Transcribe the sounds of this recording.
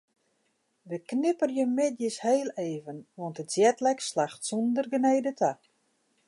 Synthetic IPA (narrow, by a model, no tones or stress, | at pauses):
ʋəknɪpərjəmɪtjəsheːlˠeːvənʋɔntətsjɛtlɛkslaxtsɔndərɡənejdətʰa